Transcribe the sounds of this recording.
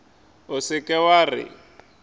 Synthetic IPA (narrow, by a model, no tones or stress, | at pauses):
ʊsɪkʼɛwarɪ̰